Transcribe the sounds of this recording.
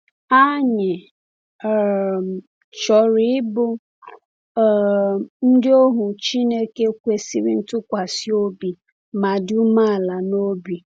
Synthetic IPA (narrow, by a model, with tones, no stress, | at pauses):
a˦ɲɪ˨ | t͡ʃɔ˨ɾɪ˦ɪ˦bʊ˦˨ | n̩˦dɪ˦o˦ɦʊ˨t͡ʃi˦ne˦ke˦kʷe˦si˦ɾi˦n̩˦tʊ˦kʷa˨si˦o˦bi˨ | ma˨dɪ˦u˦ma˦a˨la˨no˦bi˨